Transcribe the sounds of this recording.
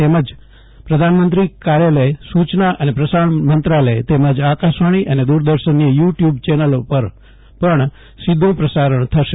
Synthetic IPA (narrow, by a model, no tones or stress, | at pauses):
t̪eməd͡ʒ | pɾəd̪ʱanmənt̪ɾikaɾjaləesut͡ʃnaʔənepɾəsaɳmənt̪ɾaləjt̪eməd͡ʒakaʃʋaɽ̃iʔəned̪uɾd̪əɾʃənːijuʈjubt͡ʃɛnəlopəɾ | pəɳ | sid̪ʱːũpɾəsaɾəɳ̃t̪ʰəʃe